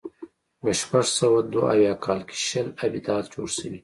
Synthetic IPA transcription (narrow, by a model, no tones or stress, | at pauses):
ɡaʃpaʐsawad̪waʔa̰wjɑkʰɑːlkʰe̥ʃəlabid̪ɑːt̪d͡ʒoɽsəwi